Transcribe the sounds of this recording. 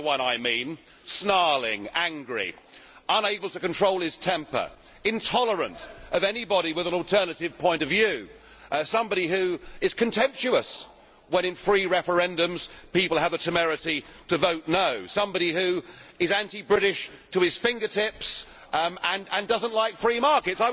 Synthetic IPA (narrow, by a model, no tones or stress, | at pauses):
əwʌ̃naɪmĩn | snɑɹlˠɪ̰̃ŋæ̃ŋɡɹḭ | ʌ̃neɪbəl̩ˠtʰɨkn̩tʰɹ̥oʊlˠɨz̥tʰɛ̃mpə̰˞ | ɨ̃ntʰɑlˠə˞ə̰̃ntʔʌvɛnibɑɾiwɨðə̃n̩ɔl̩ˠtʰɜ˞nɨɾɨv̥pʰɔ̃ɪ̃ntʌvjʉ | sʌ̃mbɑɾihʉɨz̥kʰɨ̃ntʰɛ̃mp̚t͡ʃʉəs | wə̃ñɨ̃nfɹiɹɛfə˞ɛ̃ndɨ̃mz̥pipl̩ˠəvðɨtʰɨmɛɹɨɾiɾɨvoʊtⁿnoʊsʌ̃mbɑɾihʉɨzæ̃ntibɹɪɾɪʃtʰəɨz̥fɪ̃ŋɡə˞tʰɪps | ɨ̃nɨ̃ndʌzə̃nʔlaɪkfɹimɑɹkɨtsaɪ